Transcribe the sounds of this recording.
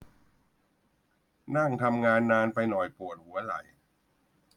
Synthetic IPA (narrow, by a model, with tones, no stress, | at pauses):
na˥˩ŋt̪ʰa˧mŋaː˧nːaː˧npa˧jnɔ˨˩jpu˨˩t̪̚hu˨˩˦ɐla̰˨˩˦j